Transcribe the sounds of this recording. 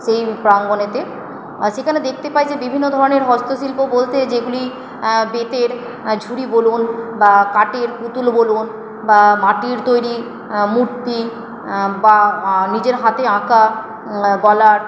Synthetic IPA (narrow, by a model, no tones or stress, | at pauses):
ʃejpɾaŋɡonet̪e | ʃekʰaned̪ek̚ʰt̪epajd͡ʑebibʱinːod̪ʱɔɾoneɾɦɔst̪oʃilpobolt̪ed͡ʑeɡuli | bet̪eɾ | d͡ʑʱuɾibolunbakaʈeɾkut̪ulbolun | bamaʈiɾt̪ojɾi | muʈpi | banid͡ʑeɾɦat̪eãka | bɔla